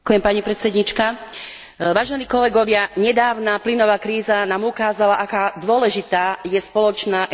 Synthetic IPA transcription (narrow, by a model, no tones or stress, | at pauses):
kujɛmpaɲipɾɛt̪sɛd̪ɲit͡ʃka | ʋaːʒɛniːkɔlɛɡɔʋɪaɲɛd̪aːʊnaplinɔʋaːkɾiːzanaːmukaːzalaʔakaːd̪ʊɔlɛʒit̪aːjɛspɔlɔt͡ʃnaːʔ